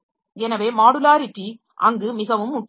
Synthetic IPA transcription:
ɛnɐʋeːmaːɽɯlaːɾɪʈri | ʔɐŋɡɯmɪɣɐʋɯmːʊkː

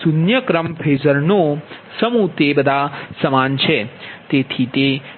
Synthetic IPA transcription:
sunjəkɾəmpʰeːd͡ʒəɾno | səmũt̪ebəd̪ʱasɐmaːnt͡ʃʰet̪et̪ʰit̪e

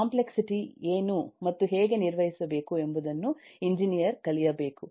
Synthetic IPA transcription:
kaːmpleksiʈieːnumɐt̪ːuɦeːɡe̞niɾʋɐɦisɐbe̞ːkuembud̪ɐnːuiɲd͡ʒinijɐɾkɐɭijɐbe̞ːku

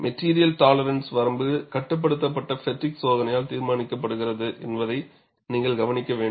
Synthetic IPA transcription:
mʔɛʈːiːɾɪjɐlʈaːlɐɾɐnsʋɐɾɐmbɯkɐʈːɯp̬ːɐɽɯt̪̬ːɐp̬ːɐʈːɐfɛʈːɪksoːðɐnɐjaːlt̪iːɾmaːnɪkːɐp̬ːɐɽɯɣɪrɐðɯʔɛ̰nbɐðɐɪ | niːŋɡɐɭɡɐʋɐnɪkːɐʋeːɳ

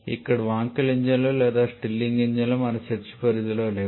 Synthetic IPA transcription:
ḭkːɐɽʋaːŋkɐliɲd͡ʑɐloːleːd̪aːsʈilːiŋɡiɲd͡ʒɐlɐmɐnɐt͡ʃet͡ʃːi̥pɐɾid̪iloːleː

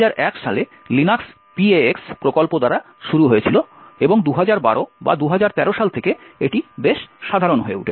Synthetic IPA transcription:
aɾʔɛkʃale | linaks | pieekspɾokolpod̪aɾa | ʃuɾuɦojet͡ɕʰiloeboŋd̪uɦad͡ʑaɾba̰ɾoba̰d̪uɦad͡ʑaɾt̪ɛɾoʃalt̪ʰekeeʈibeʃʃad̪ʱaɾonɦoeṵʈʰe

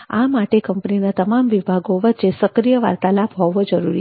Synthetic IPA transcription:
a̰maʈekəmpəninat̪əmamʋibʱaɡoʋət̪ːt͡ʃesəkɾijəʋa̰ɾt̪alabɦɔʋod͡ʒəɾuɾi

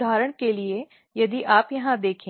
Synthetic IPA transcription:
aːɾəɽ̃kelie | jɐd̪iʔaːpjɐɦãd̪eːkʰẽ

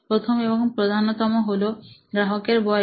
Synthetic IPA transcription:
pɾot̪ʰomebɔŋpɾod̪ʱanɔt̪ɔmoɦoloɡɾaɦɔkeɾbɔ

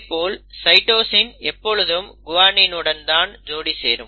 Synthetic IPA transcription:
pːoːlsɐɪʈoːsɪnɛpːɔɻɯðɯmɡʊʋaːnɪnɯɽɐnd̪aːnd͡ʒoːɽisḛːɾɯm

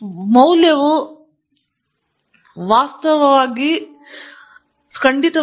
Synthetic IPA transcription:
mɐwljɐʋu | ʋaːst̪ɐʋɐʋaːɡi | skɐɳɖit̪ɐ

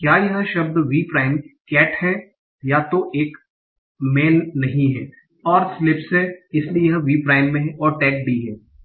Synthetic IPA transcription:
kjaːjɐɦʃɐb̚d̪ʋiːpɾaːɪmkɛːʈhɛ | jaːt̪oʔeːk | mɛːnːɐɦĩɦɛː | ɔːɾslɪpsɦɛɪsliejɐɦʋiːpɾaːɪmːẽɦɛʔɔːɾʈɛːk̚ɖiɦɛː

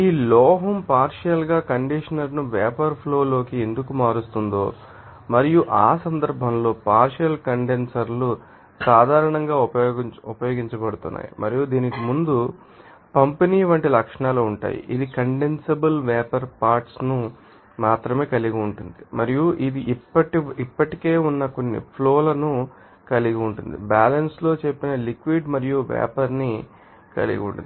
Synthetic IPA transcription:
iːlɔːɦɐmpaːɾʂjɐlɡaːkɐɳɖiʂɐnɐɾnuʋɛːpɐɾpʰlo̞ːlo̞ːkie̞nd̪ukumaːɾust̪und̪o̞ː | mɐɾijuʔaːsɐnd̪ɐɾbʱɐmlo̞ːpaːɾʂjɐlkɐɳɖe̞nsɐɾlu | saːd̪ʱaːɾɐɳɐŋɡaːuupɐjo̞ːɡiɲt͡ʃɐbɐɽut̪unːa̰ːjḭmʔɐ̰ɾijud̪iːnikimund̪u | pɐmpɐniːʋɐɳʈilɐkʂɐɳaːluːuɳʈa̰ːjḭʔid̪ikɐɳɖensebɐlʋɛːpɐɾpaːɾʈsnu | maːt̪ɾɐme̞ːkɐliɡiuɳʈund̪imɐɾijuʔid̪iʔipːɐʈiipːɐʈike̞ːunːɐko̞nːḭpʰloːlɐnu | kɐliɡiuɳʈund̪ḭbaːlɐnslo̞ːt͡ʃe̞pːinɐlikʋiɖmɐɾijuʋɛ̰ːpɐɾni | kɐ̰lḭɡḭṵɳʈṵi

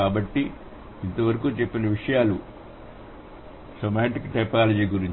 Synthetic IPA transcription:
aːbɐʈːi | int̪ɐʋɐɾɐkuːt͡ʃe̞pːinɐʋiʂɐjaːlu | sɐmaːɳʈikːʈɐjpaːlɐd͡ʒiːɡuɾiɲ

